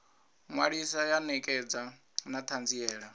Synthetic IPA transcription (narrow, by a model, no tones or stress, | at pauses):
ŋwaɺisajanɛkʼɛd͡za | nat̪ʰand͡ziɛːɺa